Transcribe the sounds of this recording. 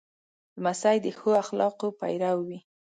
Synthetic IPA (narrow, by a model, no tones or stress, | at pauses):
lmasajd̪əxoaxlɑqopa̰jɾawwi